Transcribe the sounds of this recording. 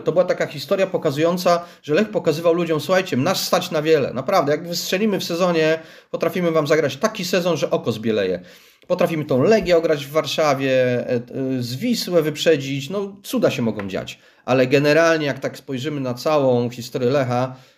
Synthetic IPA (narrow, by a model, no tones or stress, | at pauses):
t̪ɔbɘwat̪akaxʲist̪ɔɾʲjapɔkazujɔnt̪saʐ̥ɛlɛxpɔkazɘvawlud͡ʑɔmsuxajt͡ɕɛnaʂst̪at͡ɕnavʲjɛlɛ̰napɾavd̪ɛjaɡvɘstʂɛlʲimɘfsɛzɔɲɛ | pɔt̪ɾafʲimɘvamzaɡɾat͡ɕt̪akʲisɛzɔnʐɛʔɔkɔzbʲjɛlɛjɛ̰ | pɔt̪ɾafʲimɘt̪ɔ̃w̃lɛɡʲjɛɔɡɾad͡ʑvːaɾʂavʲjɛ | zvʲiswɛvɘpʂɛd͡ʑit͡ɕnɔt̪sud̪aɕɛmɔɡɔ̃w̃d͡ʑa̰t͡ɕ | ʔalɛɡɛnɛɾalɲɛjakt̪akspɔjʐɘmɘnat̪sawɔ̃w̃xʲist̪ɔɾʲjɛlɛxa